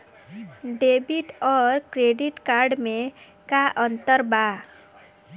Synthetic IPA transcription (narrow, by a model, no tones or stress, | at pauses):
ɖebiʈɔɾkɾeɖiʈkaɾɖmẽ | kaʔənt̪əɾba